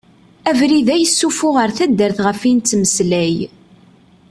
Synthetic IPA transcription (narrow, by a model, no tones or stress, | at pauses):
ævɾiðæjəsːufʊʁəɾθæd̪ːəɾθʁəfint̪t͡sːməslæj